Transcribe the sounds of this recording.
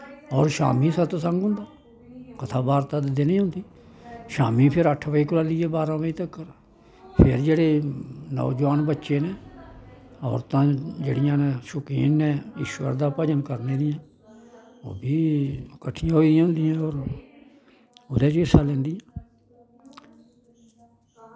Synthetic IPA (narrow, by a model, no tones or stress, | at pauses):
ɔːɾʃa̰ːmiːsət̪ːsə̃ŋɡɦʊ̃nd̪aː | kət̪ʰaːbaːɾt̪aːd̪d̪enĩːʊ̃nd̪iː | ʃa̰ːmiːpʰɪɾəʈʰʋəiːkʊlaliːɛːbaːɾãːpəiːt̪əkːəɾ | pʰɪɾd͡ʒeːɽeːnɔ̰̃ːd͡ʒʋaːnbətːʃeːneː | ɔ̰ːɾt̪ãːd͡ʒḛːɽɪjãːnẽːʃʊkḭːnːɛ̃ːɪʃwə̰ɾd̪aːpəd͡ʒənkəɾneːd̪ɪjãː | o̰ːbiːkəʈʰːɪjãːɦoiːjãːɦʊnd̪ɪjãːɔːɾ | ʊd̪eːd͡ʒiɪsaːlɛ̃ːnd̪ɪjãː